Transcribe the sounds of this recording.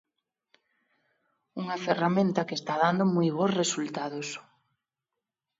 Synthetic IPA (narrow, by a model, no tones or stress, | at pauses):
uŋaferamẽnt̪ɐkest̪aðand̪omujβ̞osresult̪aðos